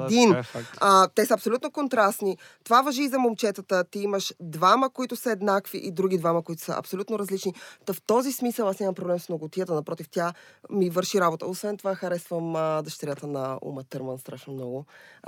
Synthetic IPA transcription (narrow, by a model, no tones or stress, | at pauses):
d̪inat̪ɛsəɐpsolʲut̪nokont̪ɾast̪ni | t̪ovavɐʒiːzɐmomt͡ʃɛt̪ət̪ət̪iiməʃd̪vaməkoit̪ʊsəɛd̪nakvḭʔid̪ɾuɡ̟id̪vaməkoit̪ʊ̥sə̰ʔɐ̰psolʲut̪noɾɐzlit͡ʃnit̪əft̪ɔzismisəlˠasnʲamɐmpɾoblɛmsnoɡʊt̪ijət̪ənɐpɾɔt̪ift̪jamivəɾʃiɾabot̪ə̰osvɛnt̪ovaxɐɾɛsvəmd̪əʃt̪ɛɾʲjat̪ənɐṵmɐt̪əɾmənst̪ɾaʃnomnɔɡʊ